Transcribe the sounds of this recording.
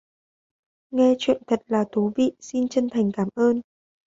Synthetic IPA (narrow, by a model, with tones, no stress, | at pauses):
ŋɛ˧t͡ɕwḭ˧˨ənt̪ʰə˨˩t̚laː˨˩t̪ʰu˨˦vḭ˧˨si˧nt͡ɕə˧nt̪ʰa˨˩jŋ̟kaː˧˩mʔəː˧n